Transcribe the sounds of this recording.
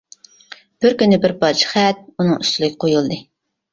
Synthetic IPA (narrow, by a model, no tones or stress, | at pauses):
b̥ɪɾkʲynɪbɪɾbɑt͡ʃχɛt̪̚unɨŋyst̪ʰylˠɪkʲʰɪqʰojulˠd̪ɨ